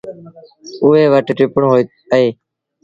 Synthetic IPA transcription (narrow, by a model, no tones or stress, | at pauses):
ʊʋeːʋəʈʈɪpəɳɦoː | əeː